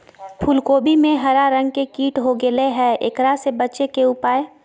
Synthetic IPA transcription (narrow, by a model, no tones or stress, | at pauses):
pʰulkoːbʱimẽɦɐɾaɾə̃ŋɡkekiːʈɦoɡɪleɦɛḛkɾasebɐtːt͡ʃekeʊpaːe